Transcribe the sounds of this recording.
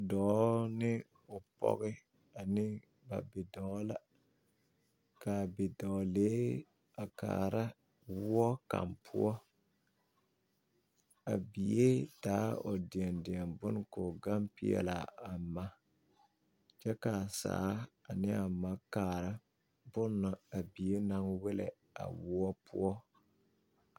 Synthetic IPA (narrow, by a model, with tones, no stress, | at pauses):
dɔː˨˦nɪ˦ | ʊ˨pɔ̰˦ɣɪ˦ | a˨nɪ˦ | ba̰˨bɪ˨dɔː˨˦la˨ | ka˨bɪ˨dɔː˨leː˨˦ | a˨ka̰ː˨ɾa˦ | wʊ˦ɔ˦ka̰˨mpʰʊ̰˦ɔ˦ | a˨bi˨je˦daː˨˦ɔ˨di˨ɛ˨ndɪ˨ɛ˨mbʊ˦n˦ko˨ɡa˦mpi˦ɛ̰˨la̰˨a˨ma˦ | t͡ʃɛ˦ka˨sa̰ː˨˦a˨nɪ˦a˨ma˦kaː˨ɾa˦ | bʊ˦nːʊ˨a˨bi˨e˦na˦ŋwɛ˦lɛ̰˨ | a̰˨wʊ˦ɔ˦pʰʊ̰˦ɔ˦